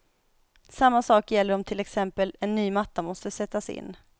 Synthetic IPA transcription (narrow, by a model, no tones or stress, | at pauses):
samːasɑːkjɛlːəɾɔmt̪ʰɪlɛksɛmpəlɛnːyːmat̪ːamɔst̪əsɛt̪ːasɪ̰nː